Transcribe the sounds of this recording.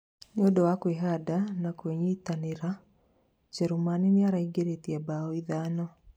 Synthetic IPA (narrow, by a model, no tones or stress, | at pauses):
ɲodɔwakweɦadanakweɲitaneɾa | d͡ʒɛɾumanineaɾaiɡeɾetiabaɔiðaːnɔ